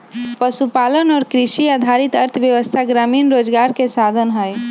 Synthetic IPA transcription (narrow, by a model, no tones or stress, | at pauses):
pəsupalənɔːɾkɾisiad̪ʱaɾit̪əɾt̪ʰʋjəʋəst̪ʰaɡɾaminɾod͡ʒɡaɾkesad̪ʱənɦəj